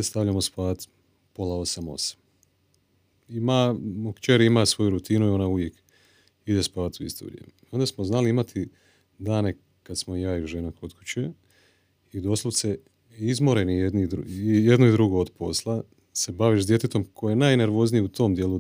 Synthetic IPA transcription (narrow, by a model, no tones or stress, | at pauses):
st̪aʋʎʲamospaːt̪ | po̞lao̞samo̞̰sḁm | imamokt͡ʃeɾiimasʋo̞juɾut̪inuio̞nauʋjek | id̪e̞spaːt̪uḭst̪o̰ɾj̰ḛm | o̞nd̪asmoznaliimat̪ʰi | d̪aːne̞ | kad̪smojaːiuʒenakot̪ku̥t͡ɕe | id̪o̞slˠoʋt̪se | izmo̞ɾenijed̪nid̪ijed̪noid̪ɾuɡood̪po̞̰slˠa | se̞baʋiʃd̪je̞t̪et̪o̞mkʰojejenaːjne̞ɾʋo̞ːznijeut̪o̞ːmd̪je̞lu